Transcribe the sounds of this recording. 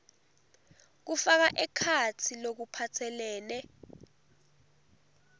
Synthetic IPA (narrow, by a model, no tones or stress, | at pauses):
k̬ufak̬aʔɛkʰatʰilok̬upʰatʰɛlɛːnɛ